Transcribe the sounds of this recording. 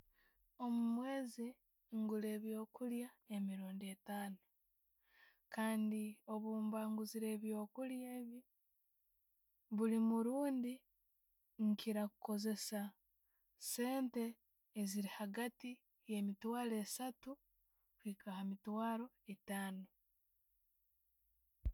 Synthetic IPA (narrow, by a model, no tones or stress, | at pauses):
o̞mumwe̞ːzi | ŋɡule̞ːβjo̞ːkuljae̞miɾuːndie̞taːnu | kaːndio̞βuːmbaːŋɡuziɾe̞ːβjo̞ːkuljeːβi | βulimuɾuːndi | ŋkiɾakuko̞ze̞sa | se̞ːnte̞ː | ziɾihaɡati | je̞mitwaːle̞ːsatu | kwiːkahamitwaːɾo̞ | etaːno